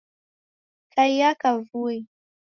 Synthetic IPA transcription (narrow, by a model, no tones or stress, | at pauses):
kʰajjakavui